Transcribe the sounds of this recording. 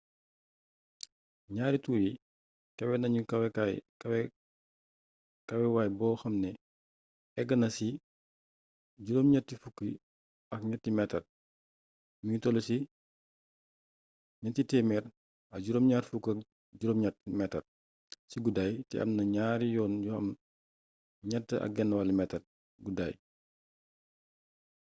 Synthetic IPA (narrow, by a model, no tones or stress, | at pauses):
ɲaːɾituːji | kɛwɛnɐɲukɐw | w | kɐwɛwaːjbɔːxɐmnɛ | ɛɡɐnɐsi | ɟuɾomɲɐtːifukːi | ɐkɲɐtːimɛtɐt̚ | mitɔlosi | ɲɐtitɛːmɛɾ | ɐɟuɾomɲaːɾfukɐ | ɟuɾomɲatːmɛtɐt̚ | siɡudaːjtɛ̰ʔɐ̰mnɐɲaːɾijɔːnɟuɐm | ɲatːəɐ̰k̚ɡɛnːwalimɛtɐt̚ | ɡudaːj